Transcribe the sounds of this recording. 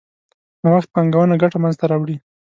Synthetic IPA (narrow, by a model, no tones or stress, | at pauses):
nawaxt̪̚paŋɡawənaɡaʈamanzt̪aɾɑwɽi